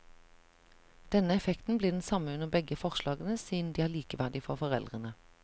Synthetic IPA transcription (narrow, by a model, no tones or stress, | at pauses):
d̪̥ɛnəɛfɛkt̪n̩bliːd̪ɛnsɑməʉnəʁbɛɡəfɔʁʃlɑːɡənəsiːn̩d̪iːæːʁliːkəʋæʁd̪ɪfɔʁfɔʁɛ̰ld̪ʁənə